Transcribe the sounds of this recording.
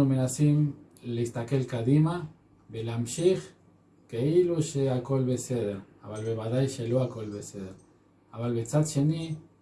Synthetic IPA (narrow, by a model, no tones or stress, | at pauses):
umenasin | lest̪akelkaðima | belamʃix | keiluʃeakolβeseðeɾaβalβeβaðajʃeluakolβeseðeɾ | aβalβet͡sat̪ʃeni